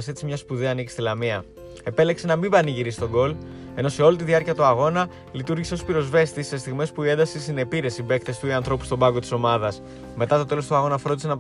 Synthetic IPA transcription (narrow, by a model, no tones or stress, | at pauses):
se̞t͡simɲɐspuðeɐːnici̥st̪elɐmiɐ | e̞pe̞le̞kse̞nɐmibɐniʝiɾist̪oɡo̞l | e̞no̞se̞o̞lit̪iðiɐɾciɐt̪uɐɣo̞nɐ | lit̪uɾʝise̞o̞spiɾo̞zve̞st̪isːe̞st̪iɣme̞spuie̞nd̪ɐsisine̞piɾe̞sibe̞kt̪e̞st̪uiɐnθɾo̞pust̪o̞bɐɡo̞t̪i̥so̞mɐðɐs | me̞t̪ɐt̪o̞t̪e̞lo̞st̪uɐɣo̞nɐfɾo̞d̪ise̞nɐp